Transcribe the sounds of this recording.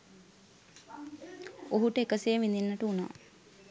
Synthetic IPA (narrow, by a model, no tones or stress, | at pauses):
oɦuʈəekəseːʋind̪inːɐʈəuna̰ː